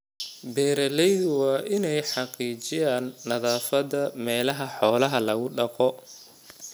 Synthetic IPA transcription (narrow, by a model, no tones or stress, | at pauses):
bɛːɾɐlɛjðwɑːʔɪnɛjħɑqiːt͡ʃɪjaːnːɐðaːfɐdɐmɛːlɐɦɐħɔːlɐɦɐlɐɣʊɖɑqɔ